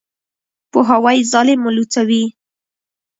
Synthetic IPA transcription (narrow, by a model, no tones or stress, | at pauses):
pʊɦawajzɑlemʊlut͡sawi